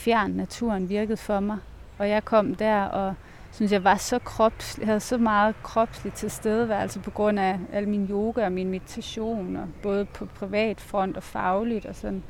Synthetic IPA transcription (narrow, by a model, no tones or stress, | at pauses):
fjæɐ̰nːæt͡sʰuɐnʋiɐɡ̥əð̞̩ˠfɒ̽mɑ̈ɪ | ɒ̽jɑ̈ɪkʰɒ̽m̰d̥æɐ̰ɒ̽ | syns̬jɑ̈ɪʋɑ̈sɒ̽kʰʁɒb̥shæð̞̩ˠsɒ̽mɑ̈ːð̞̩ˠkʰʁɒ̽b̥slid̥̚t͡sʰe̝lsd̥eð̞ˠəʋæælsəpʰɒ̽ɡ̥ʁɔ̽n̰ææl̰minjo̝ːɡ̥æɒminme̝d̥it͡sʰæɕo̝̰ːnɒb̥ɔ̽ːð̞̩ˠəpʰɒ̽pʰʁiʋɛ̰ːd̥fʁɒ̽n̰d̥ɒ̽fɑ̈ʊlid̥ɒ̽sɒ̽n̰